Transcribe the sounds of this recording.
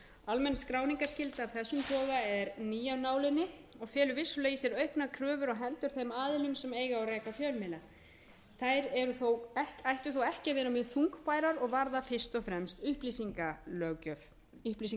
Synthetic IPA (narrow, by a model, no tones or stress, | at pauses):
almɛnːskɾaːwniŋkḁscɪlt̪avθɛsːʏmp̪ʰɔːɣaɛɾniːjawnaːwlɪnːɪɔɣfɛːlʏvɪsːʏleːjɪsɛɾœɥhknakʰɾœːvʏɾɔɣɦɛnt̪ʏɾ̥θejmaːðɪlʏmsɛmeːjɣaawrɛːkafjœlmɪla | θajɾɛɾʏθowɛcajht̪ʏθowɛhcɪavɛːɾʏmɪθuŋkpaːjɾaɾɔɣvaɾðafɪr̥st̪ɔfɾɛmst̪ʏhplisiŋkalœɣcœf | ʏhp̪is̬iŋ